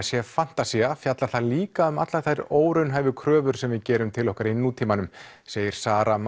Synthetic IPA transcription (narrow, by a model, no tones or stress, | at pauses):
sjɛfan̥t̪asiafjat̪laɾθaðliːkaʏmat̪laɾ̥θajɾoːwɾʏnɦaːjvʏkʰɾœːvʏɾ̥sɛmvɪðcɛːɾʏmt̪ʰɪlɔhkaɾinːut̪ʰiːmanʏm | seːjɪɾ̥saːɾam